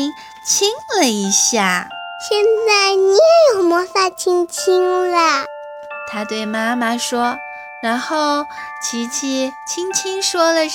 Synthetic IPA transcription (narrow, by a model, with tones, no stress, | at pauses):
ŋ | t͡ɕʰi˥ŋlə˨i˧˥ɕja˥˩ɕjɛ˥˧nt͡sa˥˩ɪni˧˥jɛ˧˥jo˨˩ʊmwɔ˧˥sa˥˩t͡ɕʰi˥ŋt͡ɕʰi˥ŋlə˨˩ | t̪ʰa˥t̪we˥˩ɪma˥ma˨ʂwɔ˥ | ɻa˧˥nxo˥˩ʊ | t͡ɕʰi˧˥t͡ɕʰi˥t͡ɕʰi˥ŋt͡ɕʰi˥ŋʂwɔ˥lə˨